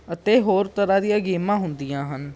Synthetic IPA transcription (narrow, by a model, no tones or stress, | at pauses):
ət̪eːɦoːɾt̪əɾãːd̪ijãːɡiːmãːɦʊnd̪ijãːɦən